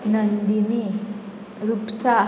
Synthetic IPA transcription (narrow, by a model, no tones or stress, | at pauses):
nɐnd̪ini | ɾupsa